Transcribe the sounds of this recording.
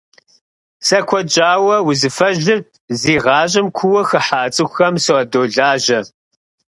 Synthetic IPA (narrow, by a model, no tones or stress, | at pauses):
sɐkʷʰɔd͡ʒʼaːwɐwʊzɨfɐʑɨr | ziːʁɑːʑʼɪmkʷʰʊwɐxɐħaːt͡sʼɨxɐmsɨɐdoːɮaːʒɐ